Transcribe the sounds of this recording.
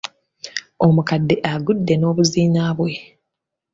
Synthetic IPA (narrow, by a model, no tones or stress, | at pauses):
o̞mukadːe̞ʔaɡudːe̞no̞ːβuziːnaːβwe̞